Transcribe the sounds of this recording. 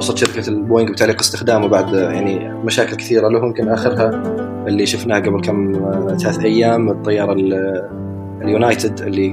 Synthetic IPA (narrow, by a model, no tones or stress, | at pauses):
sˤɑt̪ʃɪɾɪkalboːjɪŋɡ̚bɪt̪aʕliːqɪst̪ɪxd̪aːmwbaʕd̪jaʕni | maʃaːkɪlkɪ̥θiːɾalaɪmkɪnʔaːxɪɾɦa | ʔɪlːiʃʊfnaːhaɡablkamθalaːθʔajːaːmɨt̪ˤːɑjːɑːɾˤɑl | ljunaːjt̪ɪd̪ɪlːi